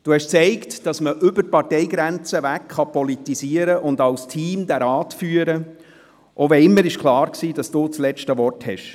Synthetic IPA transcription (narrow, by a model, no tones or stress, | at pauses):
d̥uhɛʃt͡sɛɪktd̥ɑsməʔʏbər̚pɑrtɛɪɡɾænt͡səvækχɑpɔlitisiːəɾəʔʊndɑlstʰiːmd̥̪æɾɑːtfyːəɾə | ʔovɛɪmːəɾɪʃkʰχlɑːɾksiːd̥ɑsd̥uːt͡slɛt͡ʃtəʋɔrthɛʃ